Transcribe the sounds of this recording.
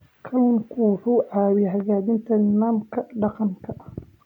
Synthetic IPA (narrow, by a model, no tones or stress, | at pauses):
kʰɐwʊnkʰuːħʊʕɑːwɪɦɐɣaːdɪnt̪ʰɐnaːmkʰɐɖɑqɑŋkʰɐ